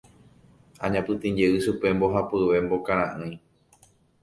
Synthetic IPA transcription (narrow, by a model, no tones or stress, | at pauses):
ãɲãpɨt̪ĩɲd͡ʒeɨʃupe̞mbo̞ɦapɨʋe̞mbo̞kãɾ̃ãʔɨ̃j̃